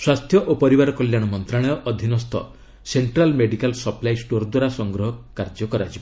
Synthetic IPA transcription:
swast̪ʰjɔʔopɔɾibaɾɔkɔljaɽ̃ɔmɔnt̪ɾaɽ̃ɔjɔʔɔd̪ʱinɔst̪ʰɔ̰ | seɳʈɾalmeɖikalsɔplajsʈoɾd̪waɾasɔŋɡɾɔɦɔkːaɾd͡ʒɔkɔɾad͡ʒʰibɔ

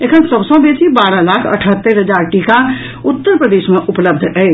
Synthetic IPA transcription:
ekʰənsəbsõbeːsibaːɾalaːkʰɐ̰ʈʰət̪ːəɾɦəd͡ʒaːɾʈiːka | ʊt̪ːəɾpɾəd̪eːʃmẽʔʊpləb̚d̪ʱɦɛ

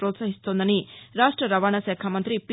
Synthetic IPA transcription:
ɾot̪saɦist̪oːnd̪ɐniɾaːʂʈɾɐɾɐʋaːɳɐʃɛːkʰaːmɐnt̪ɾipi

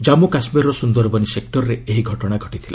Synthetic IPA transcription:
d͡ʒamukasmiɾɾɔsund̪ɔɾbɔnisek̚ʈɔɾɔɾeeɦiɡʱɔʈɔɽ̃aɡʱɔʈit̪ʰila

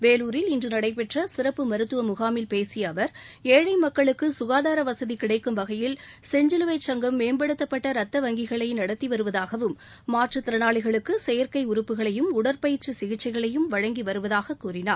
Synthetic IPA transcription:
ʋeːluːɾɪlɪndrɯnɐɽɐɪpɛʈrɐsɪɾɐpːɯmɐɾɯt̪ːɯʋɐmʊɣaːmɪlpeːsɪjɐɐʋɐɾeːɻɐɪmɐkːɐɭɯkːɯsʊɣaːðaːɾɐʋɐsɐðikɪɽɐɪkːɯmʋɐɣɐjɪlsɛɲd͡ʒɪlɯʋɐɪt͡ʃːɐŋɡɐmːeːmbɐɽɯt̪ːɐpːɐʈːɐɾɐt̪ːɐʋɐŋɡɪɣɐɭɐɪnɐɽɐt̪ːiʋɐɾɯʋɐðaːɣɐʋɯmː | aːʈrɯt̪ɪɾɐnaːɭɪɣɐɭɯkːɯsɛjɐɾkɐɪʊɾɯpːɯɣɐɭɐjɯmʊɽɐɾpɐjɪɾt͡ʃːɯsɪɣɪt͡ʃːɐɪɣɐɭɐjɯmʋɐɻɐŋɡiʋɐɾɯʋɐðaːɣɐkuːrɪnaːɾ

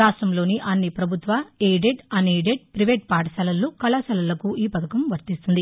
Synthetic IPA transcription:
aːʂʈɐmlo̞ːniʔɐnːipɾɐbʱut̪ʋaeːjɖeɖɐneːɖeɖ̚pɾiʋeːʈ̚paːʈɐsɐlɐlːukɐlasɐlɐlɐkuiːpɐd̪ɐkɐmʋɐɾt̪ist̪und̪i

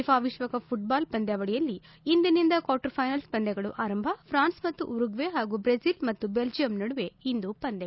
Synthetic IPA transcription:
ipʰaːʋiʂʋɐkɐpʰuʈ̚baːlpɐnd̪jaːʋɐɭɛjɐlːiː | nd̪ɐnind̪ɐkʋaːɾʈɐɾpʰɐjnɐlspɐnd̪ɛɡɐɭuʔaːɾɐmbʱɐpʰɾaːnsmɐt̪ːuʔuɾuɡʋeɦaːɡuːbɾesilmɐt̪ːubeld͡ʒijɐmnɐɽuʋe̞ind̪upɐnd̪ɛ

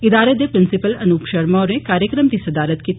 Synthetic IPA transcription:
ɪd̪aːɾed̪epɾɪnsɪpəlɐnuːpʃɐɾmaɾẽkaːɾjəkɾəmt̪isɐd̪aːɾət̪ki

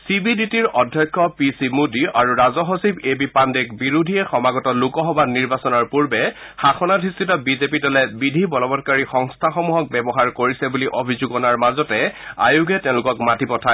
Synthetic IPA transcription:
sibiditiɹɔdʱjɔjkʰːɔpisimudiʔaɹuɹazɔɦosibebipandɛkbiɹudʱijɛxɔmaɡɔtɔlukɔɦɔbaniɹbasɔnaɹpuɹbɛ | xaxɔnadʰʱistitɔbizepidɔlɛbidʱibɔlɔbɔtkaɹixɔŋstʰaxɔmuɦɔk̚bɛbɔɦaɹkoɹisɛbuliʔobʱizuɡɔnaɹmazɔtɛa̰juɡʱɛtɛʊ̃lʊkɔkmatipɔtʰa

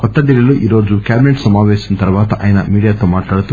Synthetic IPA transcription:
kɔt̪ːɐɖilːiluʔʔiːɾo̞ːd͡ʒukʲjaːbineʈsɐmaːʋeːsɐnɐt̪ɐɾʋaːt̪ɐʔa̰ːjɐnɐmiːɽijaːt̪o̞ːmaːʈlaːɽut̪u

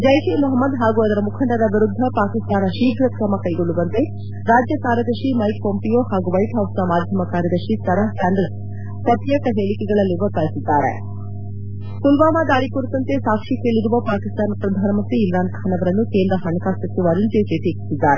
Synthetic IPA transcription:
d͡ʒɐjkemɐɦɐmːɐd̪ɦaːɡuɐd̪ɐɾɐmukʰɐɳɖɐɾɐʋiɾud̪ʱːɐpaːkist̪aːnɐʃiːbʱɾɐkɾɐmɐkɐjɡoɭːuʋɐnt̪e | ɾaːd͡ʒjɐkaːɾɐd̪ɐɾʃimɐjk̚poːmpijoːɦaːɡuʋɐjʈɦɐwsd̪ɐmaːd̪ʱjɐmɐkaːɾjɐd̪ɐɾʂit̪ʰɐɾɐkaːnd̪ɾɐs | pɐt̪jɐʈɐɦeːɭikɛɡɐɭɐlːiʋɐk̪aːlisid̪ːaːɾḛ | sulʋaːmaːd̪aːɾikuɾit̪ɐnt̪e̞saːkʂikeːɭiɾuʋɐpaːkist̪aːnɐpɾɐd̪ʱaːnɐmɐnt̪ɾiːmɾaːnkʰaːnɐʋɐɾɐnːuke̞ːnd̪ɾɐɦɐɳɐkaːsɐt̪ːuʋaɾint̪eteːt̪eːkisid̪ːaːɾe

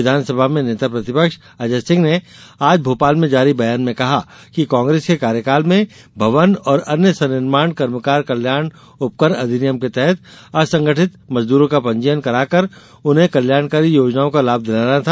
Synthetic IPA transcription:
ɪd̪ʱaːnsəbʱamẽneːt̪apɾɐt̪ɪpəkʃ | ɐd͡ʒəssɪ̃ŋɡneaːd͡ʒbʱoːpaːlmẽd͡ʒaːɾibɐjaːnmẽkɐɦa | kikãːŋɡɾeːskekaːɾjəkaːlmẽ | bʱɐʋənɔːɾɐnjəsɐnɪɾmaːɳkɐɾməkaːɾkɐljaːɽ | ʊp̚kəɾɐd̪ʱɪnɪjəmket̪ɛɦɛt̪̚ɐsɐ̃ŋɡəʈʰɪt̪mɐzd̪uːɾõkapɐ̃ɲd͡ʒəjənkɐɾaːkəɾ | ʊnɦẽkɐljaːɳkaːɾijoːd͡ʒnaːõkalaːb̚d̪ɪlaːnat̪ʰa

